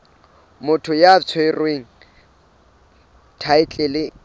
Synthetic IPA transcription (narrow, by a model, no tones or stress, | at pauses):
mʊtʰʊjat͡sʰwerweːŋ̩ | tʰaɪt͡ɬʼelɪ